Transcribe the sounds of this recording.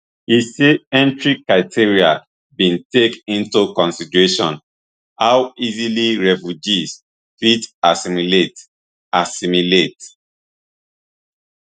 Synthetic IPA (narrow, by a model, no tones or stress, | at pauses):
hiseɛ̃ntɹikːɹaɪtʰiɹia | bĩntekĩntukɔ̃nsidɹeʃɔ̰̃n | hawiziliɹɛfjud͡ʒis | fitasimilet | asimilet